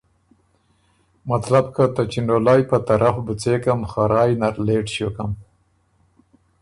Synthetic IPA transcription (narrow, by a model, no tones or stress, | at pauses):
mat̪labkat̪at͡ʃinolɑːjpat̪aɾʔafbut͡sekamxaɾɑːjnaɾleːʈɕjokam